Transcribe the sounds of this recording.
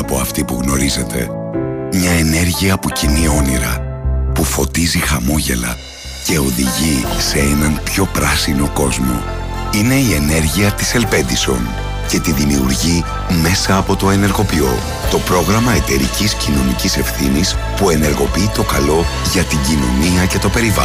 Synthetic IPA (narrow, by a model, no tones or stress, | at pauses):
ɐpo̞ɐft̪ipuɣno̞ɾize̞t̪ʰe̞̰mɲɐe̞ne̞ɾʝiɐpocinio̞niɾɐ̰pufo̞t̪izixɐmo̞ʝe̞̰lɐ̰ | ce̞o̞ðiʝise̞enɐnpço̞pɾɐsino̞ko̞zmo̞̰ | ine̞ie̞ne̞ɾʝiɐt̪i̥se̞lpe̞nd̪iso̞̰n | ce̞t̪iðimiṵɾʝi | me̞sɐːpo̞t̪o̞e̞ne̞ɾɣo̞pio̞̰ | t̪o̞pɾo̞ɣɾɐmɐe̞t̪e̞ɾiciscino̞nicise̞fθinispue̞ne̞ɾɣo̞piit̪o̞kɐlo̞ʝɐt̪iɲɟino̞̰niɐce̞t̪o̞pe̞ɾivɐ̰